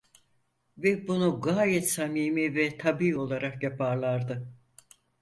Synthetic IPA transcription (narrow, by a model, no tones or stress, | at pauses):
vɛbunuɡaːjɛt̪samiːmivɛt̪ʰabiːo̞lˠaɾakjapʰaɾlˠaɾd̪ɯ